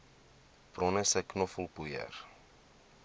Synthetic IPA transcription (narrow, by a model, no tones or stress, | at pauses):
prɔnəsɛknɔfəlˠpujə̰r